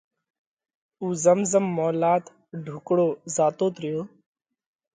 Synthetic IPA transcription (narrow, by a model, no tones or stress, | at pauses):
uːzəmzəmːɔːlaːt̪ | ɖʱʊkɽoːzaːt̪oːt̪ɾɪjoː